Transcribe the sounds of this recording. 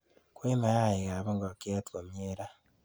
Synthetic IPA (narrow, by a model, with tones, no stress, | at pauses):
kwe˦ma˨ja˦je˨ɣa˨βo˦ŋɡo˨ke˦a˦two˨mjeɾa˦